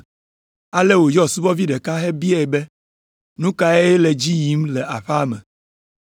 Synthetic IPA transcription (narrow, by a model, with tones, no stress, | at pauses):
a˦le˦wo˨jɔ˦˨su˦bɔ˦vi˦ɖɛ˨ka˦ɦe˦bi˦e˦˨be˦ | nũ˦ka˦e˦je˦le˨d͡ʑi˦ji˦mlɛ˨ʔa˨ɸa˦mɛ˨